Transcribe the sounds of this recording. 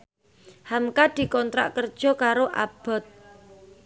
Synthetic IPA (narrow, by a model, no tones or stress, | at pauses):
hamkad̪̥i̤kɔnt̪ɾa̰ʔkərd̥ʒ̥ɔ̤kaɾoʔab̥ɔ̤t̪̚